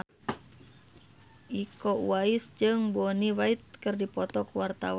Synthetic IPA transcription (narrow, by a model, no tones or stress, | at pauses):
ʔikɔṵaisd͡ʒɨŋbɔniwait̪̚kɨrdipɔt̪ɔkwart̪a̰w